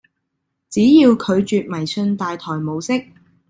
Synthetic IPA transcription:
t͡siː˨˥jiː˧wkʰɵ˨˧ɥt͡ʃyː˨˧t̚mɐ˨˩jsɵ˧nt̪aː˨jt̪ʰɔː˨˩jmo˨˧wsɪ˥k̚

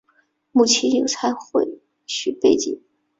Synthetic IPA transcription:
mu˥˩t͡ɕʰɛ˧˥njo˨˩ʊt͡sʰa˧˥ɪxwe˥˧ɪ | ɕy˥˩pe˥˧ɪt͡ɕḭ˥˩˦ŋ

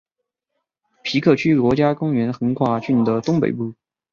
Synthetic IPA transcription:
pʰi˧˥kʰɤ˥˩t͡ɕʰy˥kwɔ˧˥t͡ɕja˥kʊ˥ŋɥɛ˧˥nxɤ˧˥ŋkʰwa˥˩t͡ɕy˥˩nd̪ə˦t̪ʊ˥ŋpḛ˨˩ɪpu˥˩

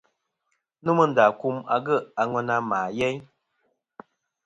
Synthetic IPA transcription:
nu˦mə˦n̩˨da˨ku˦ma̰˨ɡə˦˨a˨ŋɛ˧na˦maː˨jɛ˦j

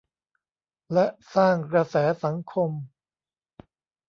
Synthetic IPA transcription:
lɛ˦˥ʔsaː˥˩ŋkɾa˧sɛː˩˦sa˩˦ŋkʰo˧m

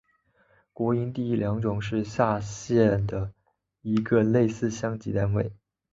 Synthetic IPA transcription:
kwɔ˧˥i˧˥nt̪i˥˩i˥˩ljɑ˧˥ŋʈ͡ʂʊ˨˩ŋʂɻ̩˥˧ɕja˥˧ɕjɛ˥˩nd̪ə˩ | i˧˥ɡə˧le˥˧ɪsɹ̩˥˩ɕjɑ˥ŋt͡ɕi˧˥t̪a˥˧nwe˥˩ɪ

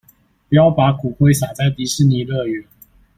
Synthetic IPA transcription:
pu˨˩jɑ˥˩ʊpa˨˧˥kʰu˨˩xwe˥˧ɪsa˨˩t͡sa˥˨ɪt̪i˧˥ʂɻ̩˥˨ni˨˩lɤ˥˧˨ɥɛ˨˧˦n

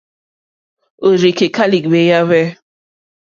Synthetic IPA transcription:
o˨ɾi˨ke˨ka˦li˨kbe˨˦ja˦βɛ˦

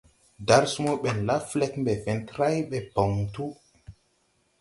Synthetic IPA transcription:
da˨ɾsu˦mɔ˦ɓɛ˨nla˦flɛ˦kmbɛ˨fɛ˨ntɾa˦jɓɛ˨pɔ˨ŋtu˦

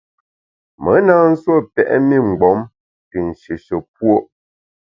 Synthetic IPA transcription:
mə˨˦na˦n̩˦swo˦˨pɛ̰˨ʔɛ̰˦mi˦ŋ͡m̩˨ɡ͡bɔ˨˦m | ti˨n̩˨ʃe˨ʃə˨p̚wo˦ʔ

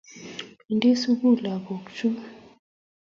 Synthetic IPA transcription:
nde˦su˦ɣu˦˨la˨bo˨kt͡ʃu˦

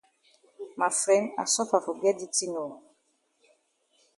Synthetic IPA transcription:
ma˨fɾɛ˨˦na̰˨sɔ˦fa˨fo˨ɡɛ˦di˦ti˦no˨

